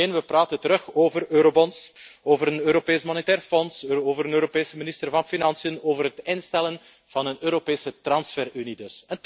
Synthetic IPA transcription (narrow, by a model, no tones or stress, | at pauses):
eːnʋəpraːtəntəɾɵxoːvərøːɾobɔnsoːvəɾənøːɾopeːsmonetɛːrfɔnsoːvəɾənøːɾopeːsəmɪnɪstərvɑnfinɑnsijənoːvərɦətɪnstɛlən | v̥ɑnənøːɾopeːsətrɑnsfɛrynidɵsɛnt